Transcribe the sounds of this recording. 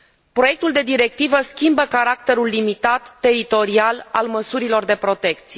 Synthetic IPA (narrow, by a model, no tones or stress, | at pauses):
pɾo̞je̞k̚t̪uld̪e̞d̪iɾe̞k̚t̪ivəskʲimbəkaɾakt̪e̞ɾulːimit̪at̪ːe̞ɾit̪o̞ɾiala̰lməsuɾilo̞rd̪e̞pɾo̞t̪e̞k̚t̪sie